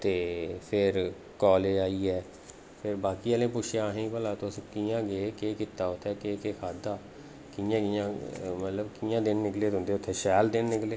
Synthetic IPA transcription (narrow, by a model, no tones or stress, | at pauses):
t̪eːpʰɪɾ | kɔːleːd͡ʒaːiːɛː | pʰɪɾbaːkiːəlẽːpʊʃʰjãːɦẽːpəlaːt̪oskiːjãːɡeːkeːkiːt̪aːʊt̪ʰːɛːkeːkeːkʰaːd̪aː | kɪːjãːkɪjãːmət̪ləbkiːjãːd̪ɪnːɪkleːʊ̃nd̪eːʊt̪ʰːeːʃɛːld̪ɪnːɪkleː